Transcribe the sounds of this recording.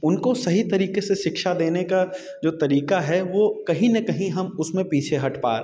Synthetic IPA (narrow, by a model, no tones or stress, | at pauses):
ʊnkosɐɦit̪ɐɾiːkeseʃɪkʃad̪eːneka | d͡ʒoːt̪ɐɾiːkaɦɛʋoːkɐɦĩnɐkɐɦĩɦɐmʊsmẽpiːt͡ʃʰeɦɐʈpa̰ːɾ